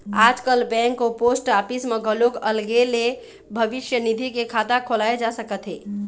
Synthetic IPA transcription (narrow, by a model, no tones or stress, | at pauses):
aːd͡ʒkəlbɛ̃ŋkːoposʈapismẽɡʱəloɡəlɡele | bʱəbɪʃjənid̪ʱikekʰat̪akʰolaed͡ʒasəkət̪ɦḛː